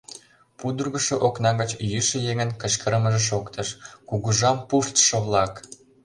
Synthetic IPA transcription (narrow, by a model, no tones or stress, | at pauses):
pud̪urɣəʃŏʔoknɑɣət͡ɕjyʃĕjeŋənkə̆ʃkəɾəməʒeʃ̬okt̪əʃkuɣuʒɑmpuʃt̪ʃoβlɑk